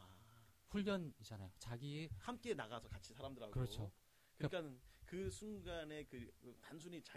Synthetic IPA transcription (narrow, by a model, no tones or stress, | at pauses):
a | ɸuʎːjʌnid͡ʑanajot͡ɕaɡiehamk͈e̞naɡasʰʌkat͡ɕʰisʰaɾamdɯɾɦaɡkɯɾʌt͡ɕʰo | kɯkak͈anɯnkɯsʰuŋɡane̞kɯɯtans̬ʰuɲit͡ɕa